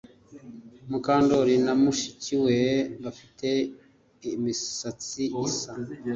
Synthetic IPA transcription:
mukaːndoɾinamuʃiciweβafi̥tʰe̞ | imisat͡siisa

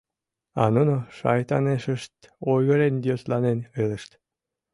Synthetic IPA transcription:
ɑ̰nunoʃɑ̰jt̪ɑneʃə̆ʃt̪ojɣə̆ɾend̪ʲioslɑnenelˠə̆ʃt̪

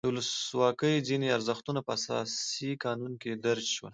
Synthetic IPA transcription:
d̪əwʊləswɑkəjd͡zineaɾzəxt̪unapəasɑ̰sikɑnunked̪aɾd͡ʒʃwə̰l

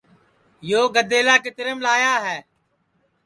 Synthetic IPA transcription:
joːɡəd̪eːlaːkɪt̪ɾəmlaːjaːɦɛː

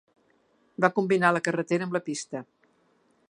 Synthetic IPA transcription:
bakumbinaləkərət̪eɾəmbləpist̪ə

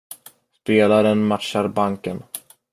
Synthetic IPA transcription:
speːlaɾənmat̪ːaɾbaŋkən

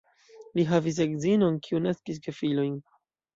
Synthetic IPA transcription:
liɦavis̬eɡzino̞nkʰiunaskis̬ɡefilo̞jn

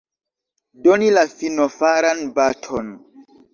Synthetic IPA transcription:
donilafinofaɾanbatʰon

